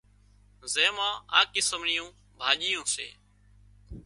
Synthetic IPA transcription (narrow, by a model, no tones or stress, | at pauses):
zeːmãːa̰ːkɪsəmɳɪjũː | bʱaːʄijũːsḛː